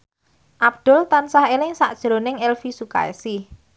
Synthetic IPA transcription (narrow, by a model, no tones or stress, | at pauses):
ʔab̚d̪̥ʊ̤lt̪ansahelɪŋsaʔd̥ʒ̥ɾonɪŋɛlfisuka̰ḛsi